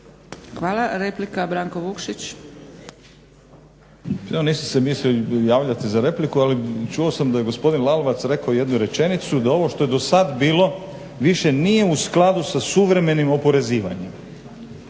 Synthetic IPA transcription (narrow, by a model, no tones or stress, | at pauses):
xʋaːlˠaɾeplikabɾaːŋkoʋukʃit͡ɕ | eoniːsusemislijaːʋʎat̪izaɾe̞plikualit͡ʃuosamd̪aje̞ɡo̞spo̞d̪inlˠaloʋat̪sɾe̞kaoje̞d̪nuɾe̞t͡ʃe̞nit̪sud̪ao̞ʋo̞ʃt̪o̞je̞d̪o̞sad̪biːlo̞ | ʋiʃe̞nije̞usklˠad̪usasuʋɾe̞me̞nimo̞po̞ɾe̞ziːʋa̰ɲem